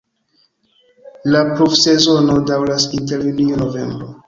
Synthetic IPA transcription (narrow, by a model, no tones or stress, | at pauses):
lapɾofse̞zo̞no̞dawlasinteɾjunianove̞̰mbɾo